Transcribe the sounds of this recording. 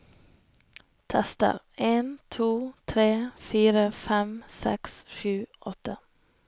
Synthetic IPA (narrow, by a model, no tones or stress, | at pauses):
t̪ʰɛst̪ə̰ʁ | eːnt̪ʰuːt̪ʰɾeːfiːɾəfɛmsɛ̰ksʃʉːʔɔt̪ə